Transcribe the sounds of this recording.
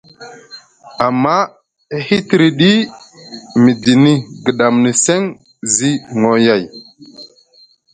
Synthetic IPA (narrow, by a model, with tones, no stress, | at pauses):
a˨mːa˦ | hi˦ti˨ɾi˨ɗi˦ | mi˨di˨ni˦ɡə˨ɗa˨mni˨se˦ŋ | zi˦ŋo˨ja˦˨j